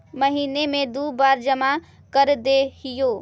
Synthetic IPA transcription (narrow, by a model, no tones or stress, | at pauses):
məɦinemed̪ubaɾd͡ʒəma | kəɾd̪eɦijo